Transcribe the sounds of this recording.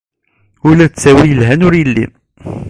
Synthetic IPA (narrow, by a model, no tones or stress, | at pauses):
ʊlæt͡sːæwijəlɦænʊɾjəlːḭ